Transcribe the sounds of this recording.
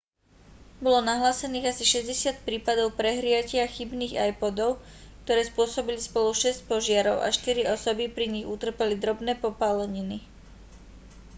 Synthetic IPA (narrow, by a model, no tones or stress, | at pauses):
bɔlɔnaɦlaːsɛniːɣasiʃɛzɟɛsɪat̪̚pɾiːpad̪ɔʊpɾɛɦɾɪacɪaxibniːɣajpɔd̪ɔʊkt̪ɔɾɛːspʊɔsɔbilispɔluʃɛsc̚pɔʒɪaɾɔʊʔa̰ʃt̪iɾiɔsɔbipɾiɲiɣut̪r̩pɛlid̪ɾɔbnɛːpɔpalɛɲini